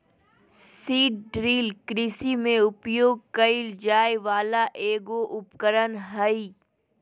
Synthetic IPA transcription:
siːʈ̚ɖɾiːlkɾiːsimẽʊpjoːɡ̚kɐɪld͡ʒaːjʋaːlaʔeːɡoʔʊpkəɾənɦəi

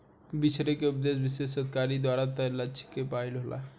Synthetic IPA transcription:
bit͡ʃʰɾekeupd̪esbisessət̪kaɾid̪waɾat̪əlat͡ʃʰi̥kːepailɦolʔa̰

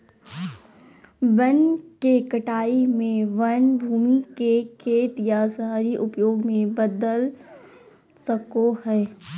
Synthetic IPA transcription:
bənkekəʈaːimẽʋɐnbʱuːmikekʰeːt̪jasaːɾiʔʊpjoːɡmẽbəd̪əl | səkoɦɛː

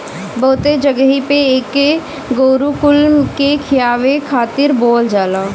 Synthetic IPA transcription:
bəːʊt̪ed͡ʒəɡəɦipeeːke | ɡoːɾukʊlmkekʰɪjaːʋekʰaːt̪ɪɾboːld͡ʒaːlaː

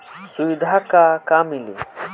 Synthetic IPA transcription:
suid̪ʱakakaːmili

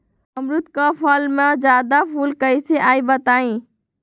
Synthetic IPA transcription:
əmɾʊt̪kapʰəlmẽd͡ʒjaːd̪apʰuːlkəiseʔaːibət̪aːĩ

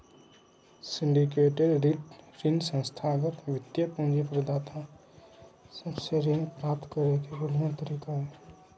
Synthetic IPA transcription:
sɪɳɖikeːʈeɖɾinsə̃nst̪ʰaɡəɾʋɪt̪jəpũnd͡ʒepɾəd̪aːt̪ʰa | səbseɾinpɾaːp̚t̪kəɾek̪ʰeɡəljat̪əɾiːkaɦɛ

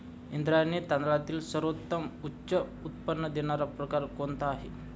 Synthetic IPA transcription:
ind̪ɾajnet̪and̪lat̪iːlsəɾʋot̪ːəmutːɕəut̪̚pənːəd̪eɽ̃aɾapɾəkaɾkont̪aːɦe

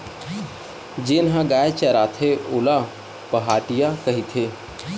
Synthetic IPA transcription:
d͡ʒenɦãɡaet͡ʃəɾat̪ʰeola | pəɦaʈijakəɦit̪ʰe

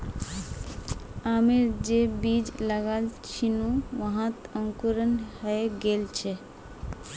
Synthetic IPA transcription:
ameɾd͡ʒebid͡ʒləɡalt͡ʃʰinuʋəɦãt̪ə̃ŋkuɾənɦəeɡelt͡ʃʰɛ

